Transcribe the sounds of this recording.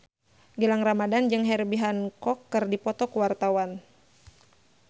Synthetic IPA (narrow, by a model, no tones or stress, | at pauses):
ɡəlaŋramadand͡ʒɨŋɦɛrbiɦankɔkːɨrdipɔt̪ɔkuwart̪awan